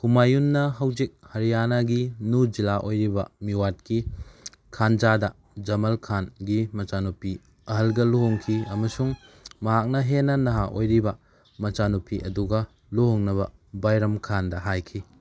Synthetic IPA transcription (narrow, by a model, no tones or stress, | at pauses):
kumajunːɐɦɐwzik̚hɐɾijanaɡinud͡ʒilaʔojɾibɐ̰miwat̚ki | kʰand͡ʒadɐ | d͡ʒɐmɐlkʰanɡimɐt͡ʃanupi | ɐɦɐlɡɐloɦoŋkʰiɐmɐsuŋmɐɦak̚nɐɦenɐnɐɦaʔojɾibɐ | mɐt͡ʃanupʰiʔɐduɡɐ | lohoŋnɐβɐbajɾɐmkʰandɐɦajkʰi